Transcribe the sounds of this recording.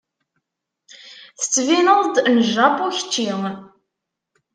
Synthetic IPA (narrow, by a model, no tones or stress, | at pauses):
θə̥t͡sːvinəðˤd̪nʒapʊçə̥t͡ʃːiŋ